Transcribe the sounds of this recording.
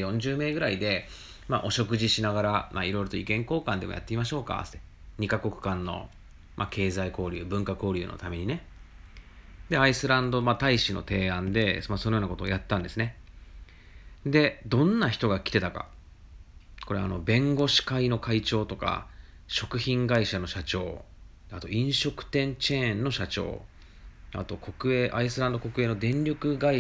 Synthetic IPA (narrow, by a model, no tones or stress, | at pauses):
jõ̞ɲ̟d͡ʑɨːme̞ːɡɯ̟ɾaid̪e̞ | maʔo̞ɕo̞kɯ̟ʑiɕinaɡaɾama̰iɾo̞iɾo̞t̪oikẽ̞ŋko̞ːkãnd̪e̞mo̞ja̰t̪ːeimaɕo̞ːka̰e | ɲ̟ikako̞kɯ̟̥kãnːo̞̰ | make̞ːzaiko̞ːɾʲɯːbɯ̟̃ŋkako̞ːɾʲɯ̟ːno̞̰t̪ame̞ɲ̟ine̞ | d̪e̞aisɨɾãnd̪o̞mat̪aiɕino̞̰t̪e̞ːãnd̪e̞masonojonakot̪o̰ːjat̪ːãnd̪e̞sɨne̞ | d̪e̞d̪õ̞nːaçi̥t̪o̞ɡakʲi̥t̪e̞t̪aka̰ | kʰo̞ɾe̞a̰no̞bẽ̞ŋɡo̞ɕi̥kaino̞kait͡ɕo̞ːt̪o̞ka̰ | ɕo̞kɯ̟çĩŋɡaiɕano̞ɕat͡ɕo̞̰ː | at̪o̞ĩɰ̃ɕo̞kɯ̟̥t̪ẽ̞ɲt͡ɕẽːnːo̞ɕat͡ɕo̞̰ː | a̰t̪o̞ko̞kɯ̟e̞ːʔaisɨɾãnd̪o̞ko̞kɯ̟e̞ːno̞d̪ẽ̞ɲɾʲokɯ̟ɡai